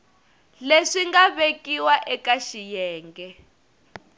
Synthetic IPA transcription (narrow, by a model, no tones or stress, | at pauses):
leʂiŋɡaβekiwaʔɛkaʃijɛːŋɡɛ